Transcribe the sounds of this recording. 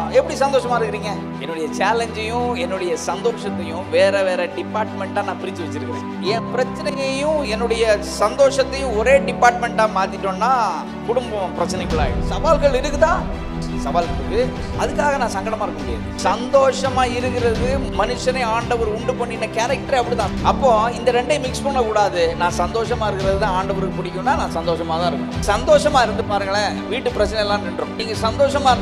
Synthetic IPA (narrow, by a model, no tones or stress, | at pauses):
ɛpːɐɽisɐnd̪oːʂɐmaːɪɾɯkːɪɾiːŋɡɐ | ɛnːɯɽɐjɐt͡ʃaːlɛɲd͡ʒɐjʊ̃ɛnːɯɽɐjɐsɐnd̪oːʂɐt̪ːɐjʊ̃ʋeːɾɛʋeːɾɛɖɪpːaːɾʈmɛɳʈaːnãːpɪɾɪt͡ʃːɯʋɐt͡ʃːɪɾɯkːɪɾḛ̃ː | ɛ̃pɪɾɐt͡ʃːɪnɐjɐjʊ̃ɛnːɯɽɐjɐ | sɐnd̪oːʂɐt̪ːɐjʊ̃ɔɾeːɖɪpːaːɾʈ̚mɛɳʈãːmaːt̪ɪʈːõnːaː | kʊɽʊmbɐpɪɾɐt͡ʃːɪnɛɪɣɐɭaːɪ̰ɽɯsɐʋaːlɣɐɭɪɾɯkːɯt̪ãː | sɐʋaːlkɾɯkːɯ | ɐðɯkːaːɣɐnãːsɐŋɡɐɽɐmaːɪɾɯkːɯnd̪e | sɐnd̪oːʂɐmaːɪɾɯkːɪɾɐðɯmɐnɯʂɐnɐɪaːɳɖɐʋɐɾʊɳɖɯpɐɳːɪnːɐkaːɾɐk̚ʈɐɾeɐpːɐɽit̪ãːɐpːõːɪnd̪ɐɾɛɳɖɐmɪkspɔɳːɐkʊɽaːðɯnãːsɐnd̪oːʂɐmaːɪɾɯkːɪɾɐðɯt̪ãːaːɳɖɐʋɐɾkɐpɪɽɪkʲːʊ̃nːaːnãːsɐnd̪oːʂɐmaːt̪ãːɪɾɯkːsɐnd̪oːʂɐmaːɪɾɯnd̪ɯpaːɾɯŋɡɐɭɐ | ʋiːʈːɯpɪɾɐt͡ʃːɪnɛlːãːɛɳɖɾʊ̃ːniːŋɡɐsɐnd̪oːʂɐmaːɾɯ